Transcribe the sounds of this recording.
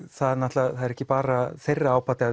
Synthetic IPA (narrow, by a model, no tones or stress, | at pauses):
θaðnaht̪laθaðɛɾɛhcɪpaːɾaθejrːaaːwpaːt̪ɪa